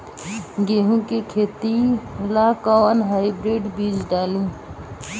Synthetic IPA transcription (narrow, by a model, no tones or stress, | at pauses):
ɡeɦũkekʰeːt̪ilakɔwənɦaːjbɾeːɖbiːd͡ʒɖaːlũː